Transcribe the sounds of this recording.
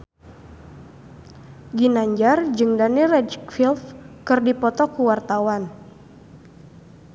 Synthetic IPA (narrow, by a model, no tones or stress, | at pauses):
ɡinaɲd͡ʒard͡ʒɨŋdanirɛdfilfkɨrdipɔt̪ɔkuwart̪awan